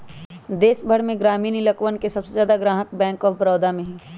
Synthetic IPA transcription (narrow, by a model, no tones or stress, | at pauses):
d̪eːsbʱəɽmẽɡɾaːmiːnilɐkwənkesɐbsezjaːd̪aɡɾãːɦək̚bɛ̃ːŋkɔːbɾɔːd̪amẽɦĩ